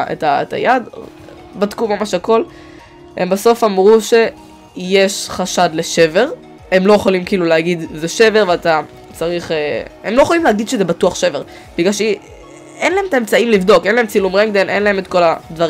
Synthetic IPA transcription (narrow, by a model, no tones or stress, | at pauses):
ḛtaeta̰jad̪ | bad̪kumamaʃako̞l | embaso̞famʁuʃe̞ | jeʃχaʃad̪le̞ʃe̞ve̞ʁ | e̞mlo̞jeχolimkiːluleaɡid̪zeʃe̞ve̞ʁveata | t͡saʁiχeemlojeχolimleaɡid̪ʃezebatuaχʃeveʁ | b̥iɡlalʃe | enlahemt̪aemt͡saimlivdo̞kenlaemt͡silumʁeŋɡ̚d̪enʔe̞nlae̞met̪ko̞lad̪vaʁ